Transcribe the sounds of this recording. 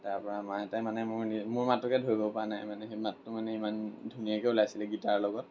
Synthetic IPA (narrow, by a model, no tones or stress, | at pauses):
taɹpɔɹamatajmanɛmʊɹnimʊɹmatɹɔkɛdʱoɹibɔpɹanajmanɛematːʊmanɛimandʱunijakɛulajasilɛɡitaɹlɔɡɔt